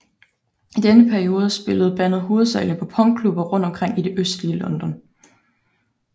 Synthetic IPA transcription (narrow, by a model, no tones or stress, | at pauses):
ʔid̥enəpʰæɐio̝ːð̞ˠəsb̥e̝ləð̞̩ˠb̥æn̰ð̞̩ˠɦo̝ːð̞̩ˠsɛɪlnəpʰɒ̽pʰɒ̽ŋ̚kʰlub̥ɐʁɔ̽n̰d̥ɒ̽mkʰʁeŋ̰ide̝ʔøsd̥liəlɒ̽nd̥ɒ̽n